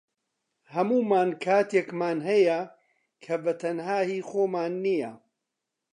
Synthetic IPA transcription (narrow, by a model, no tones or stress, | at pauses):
hɐmuːmaːnkʰaːt̪ekmaːnɦɐjɐ | kʰɐbɐt̪ʰɐnhaːhiːxoːmaːnːijɐ̰